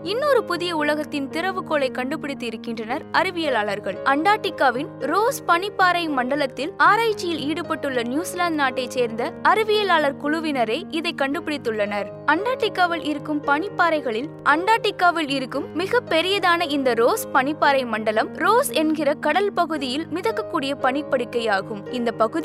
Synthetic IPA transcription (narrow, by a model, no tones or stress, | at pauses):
ɪnːoːɾɯpʊðɪjɐʊlɐɣɐt̪ːɪnt̪ɪɾɐʋɯkoːlɐɪkːɐɳɖɯpːɪɽɪt̪ːɯɪɾɯkːɪndrɐnɐɾɐɾɯʋɪjɐlaːɭɐɾɣɐɭʔɐɳɖaːʈːɪkːaːʋɪnɾoːspɐnɪpːaːɾɐɪmɐɳɖɐlɐt̪ːɪlaːɾaːɪt͡ʃːɪjɪliːɽɯpɐʈːɯɭːɐnjuːslaːɖnaːʈːɐɪt͡ʃseːɾnd̪ɐɐɾɯʋɪjɐlaːɭɐɾkʊɻʊʋɪnɐɾeːʔɪðɐɪkːɐɳɖɯpːɪɽɪt̪ːɯɭːɐnɐɾ | ɐɳɖaːʈːɪkːaːʋɪlʔɪɾɯkːɯmpɐɳɪpːaːɾɐɪɣɐɭɪl | ʔɐɳɖaːʈːɪkːaːʋɪlɪɾɯkːɯmːɪɣɐpːɛɾɪjɐðaːnɐɪnd̪ɐɾoːspɐɳɪpːaːɾɐɪmɐɳɖɐlɐmɾoːsɛnɡɪrɐkɐɽɐlpɐɣɯðɪjɪlmɪðɐkːɐkːuːɽɪjɐpɐɳɪpːɐɽɪkːɐjaːɣɯmɪnd̪ɐpɐɣɯð